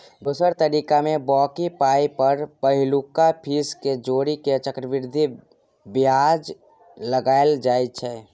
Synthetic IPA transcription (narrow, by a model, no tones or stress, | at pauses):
d̪uːsəɾt̪əɾiːkamẽbɔːkipaːipəɾpəɦɪlukapʰiːsked͡ʒoːɾiket͡ʃəkɾəʋɪɾd̪ʱi | bjaːd͡ʒ | ləɡaːeld͡ʒaːet͡ʃʰɛː